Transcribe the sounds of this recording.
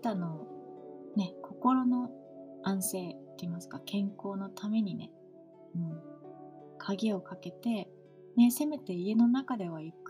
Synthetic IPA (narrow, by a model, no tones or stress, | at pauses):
t̪ano | ne̞kʰo̞ko̞ɾo̞no̞ãɰ̃se̞ːt̪ːeimasɨ̥kakʰẽ̞ŋko̞ːno̞t̪ʰame̞ɲ̟ine̞̰ | ɯ̟̃ɴ | kʰaɡʲio̞kake̞t̪e̞ | ne̞se̞me̞t̪e̞ie̞no̞nakad̪e̞β̞aik